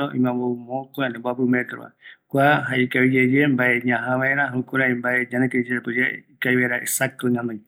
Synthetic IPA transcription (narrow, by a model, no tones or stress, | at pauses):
oĩmãβoumõkoẽnẽboapɨmet̪ɾoβa̰kʷaɦaikaβid͡ʒed͡ʒembaeɲãɦãβaeɾaɦokuɾaimbaeɲãnẽkeid͡ʒeapɨd͡ʒeikajβaɾaʔesak̚t̪oɲãnd̪ãj